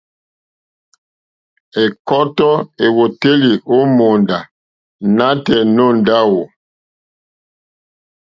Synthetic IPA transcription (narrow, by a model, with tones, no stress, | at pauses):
e˨kɔ˦tɔ˦e˨wo˨te˦li˨o˦mo˨nda˨ | na˦tɛ˨nɔ˦˨nda˦wo˨